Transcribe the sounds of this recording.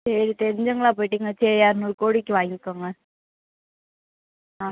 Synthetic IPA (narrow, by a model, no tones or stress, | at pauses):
seɾit̪ɛɾɪɲd͡ʒɐŋɡɐɭaːp̬oːjʈːiŋɡɐt͡ʃeɾijaːɾnuɾkoːɽikʲːɯʋaːŋɡikːaːŋɡɐ | aː